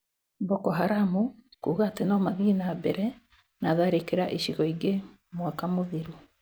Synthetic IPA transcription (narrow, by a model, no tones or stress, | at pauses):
bɔkɔɦaɾamukuːɣatenamaðinabɛɾɛ | naðaɾekeɾaʔeʃiɣɔiɡe | mwakamoðiɾu